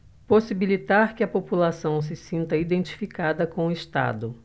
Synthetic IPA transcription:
posibilit̪aɾkɪɐpopulasɐ̃w̃s̬ɪsĩnt̪ɐid̪ẽnt͡ʃi̥fikad̪ɐkõw̃ʊɪst̪a̰d̪ʊ

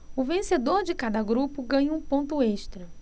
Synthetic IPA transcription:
ʊvẽsed̪oɾd͡ʒɪkad̪ɐɡɾupʊɡɐ̃ɲũpõnt̪ʊeʃt̪ɾɐ

